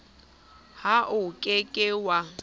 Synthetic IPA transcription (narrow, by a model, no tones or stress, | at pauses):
haʔʊkʼekʼɪwa